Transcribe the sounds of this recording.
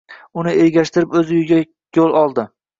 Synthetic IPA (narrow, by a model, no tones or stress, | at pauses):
ʊnɪeɾɡʲaʃt̪ɪɾɪpɵzɪjɪɡʲa | jolˠɒlˠd̪ɪ